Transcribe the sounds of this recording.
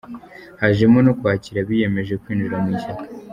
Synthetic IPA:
haʒemonokwaːciɾaβije̞me̞ʒe̞kwiːnd͡ʒiɾamwiʃakḁ

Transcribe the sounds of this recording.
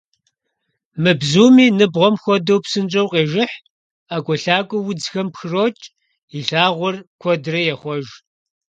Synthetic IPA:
mɨbzuːmiːnɨbʁʷɔmxʷɔdɐwpsɨnt͡ʃʼɐwqʼeːʒɪħ | aːkʷʼɔɬaːkʷʼɔwʊd͡zxɐmpxɨroːt͡ʃʼ | iɬaːʁʷɔrkʷʰɔdrɐjɛχʷɔʒ

